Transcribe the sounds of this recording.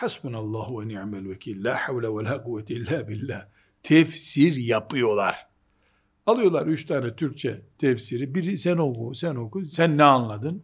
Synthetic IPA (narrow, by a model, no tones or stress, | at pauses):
ħasbunalˠˤːɑːhwɛniaʕmɛlwakʰiːlːaːħawlɛwalaːquwːat̪ʰilːaːbilːæː | t̪ʰɛfsiɾjapʰɯjo̞lˠa̰ɾ̥ | alˠɯjo̞lˠaɾyt͡ʃt̪ʰaːnɛt̪ʰyɾc̚t͡ʃʰɛ̰t̪ʰɛfsiɾibiɾisɛnokusæno̞kunsænːɛanlˠad̪ɯn